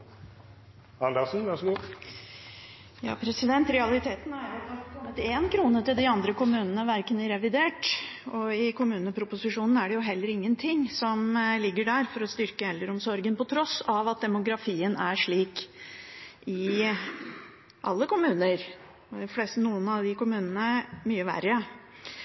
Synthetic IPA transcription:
ɑnd̪ɑsn̩ʋɑɾʂɡuː | jɑ̰ːpʰɾɛsɪd̪ɛnt̪ɾɛɑlɪt̪ʰeːt̪nhɑɾjʊd̪ɑkʰɔmːət̪eːnkʰɾuːnət̪ɪld̪ɪɑnd̪ɾəkʊmʉːnənəʋæɾkənəɾɛʋɪd̪eːʈɔɪkʊmʉːnəpʰɾʊpʊsɪʂuːnn̩æɖɛjʊɦɛlːəɾɪŋːənt̪ʰɪŋːsɔmlɪɡːəɖæɾfɔɾɔst̪ʏɾkəɛlːəɾɔmsɔɾɡənpɔt̪ʰɾɔsɑʋɑt̪̚d̪ɛmʊɡɾɑfiːənæʂɭiːk | ʔɪ | ʔɑlːəkʊmʉːnəɾ | ɔd̪ɪfleːst̪ənuːənɑʋd̪ɪkʊmʉːnənəmyːəʋæ̰ɾə

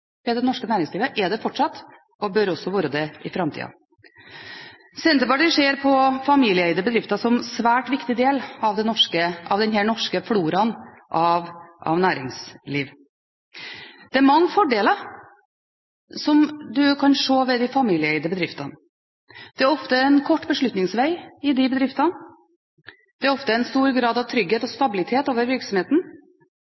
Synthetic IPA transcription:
ʋɛd̪ɛnɔʂkənæːɾɪŋsliːʋəʔɛd̪ɛfɔʈʂɑt̪ː | ɔbœɾɔsːɔʋoːɾəd̪ɛɪfɾɑmt̪ḭːɑ̰ | sɛnt̪d̪əpɑʈɪʂeːɾpʰɔfɑmiːlɪəɛɪd̪əbəd̪ɾɪft̪ɑsɔmsʋæːʈʋɪkt̪ɪd̪eːlɑʋd̪ɛnɔʂkəʔɑʋd̪ɛnɦænɔʂkəfluːɾɑn | ʔɑʋʔɑ̰ʋnæːɾɪŋsliːʋ | d̪̥ɛæɾmɑŋːəfɔɖeːlə | sɔmd̪ʉkʰɑnʂoːʋɛd̪ɪfɑmiːlɪəɛɪd̪əbəd̪ɾɪft̪ɑn | d̪̥ɛæɾɔft̪əɛnkʰɔʈːbəʂɭʉt̪nɪŋsʋæɪɪd̪ɪbəd̪ɾɪft̪ɑn | d̪̥ɛæɾɔft̪əɛnst̪uːɾɡɾɑːd̪ɑʋt̪ʰɾʏɡheːt̪ɔst̪ɑbɪlɪt̪ʰeːt̪oːʋəɾʋɪɾksɔmheːt̪n̩

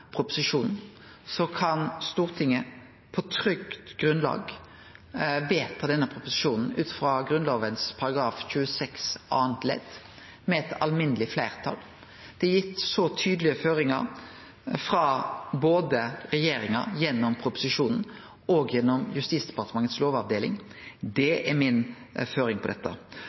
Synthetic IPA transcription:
pʰʁʊpʊ̥sɪʂuːnn̩ | sɔkʰɑnst̪uːʁt̪ʰɪŋːə | pʰɔt̪ʰɾʏkt̪ɡ̥ʁʉnlɑ̰ːɡ | ʋeːt̪pʰɔd̪ɛnːəpʰʁʊpʊsɪʃuːnn̩ʉːt̪fʁɑɡɾʉnloːʋənspʰɑɾɑɡɾɑːfçʉːəsɛksʔɑːnt̪lɛ̰d̪ | mɛɛt̪ʰɑ̰lmɪnːəlɪflæɪʁt̪ʰɑ̰l | d̪̥ɛjɪt̪ːsɔt̪ʰyːd̪lɪəføːɾɪŋɑ̰ɾ | fɾɑboːd̪əʁɛjeːɾɪŋɑ̰jɛnːɔmpʰɾʊpʊ̥sɪʃʂuːnn̩ | ɔɡjɛnːɔmjʉst̪iːsd̪ɛpɑʁt̪əmɑŋːət̪sloːʋɑʋd̪eːlɪ̰ŋ | d̪ɛʔɛmɪnføːɾɪŋpʰɔd̪ɛt̪ːə̰

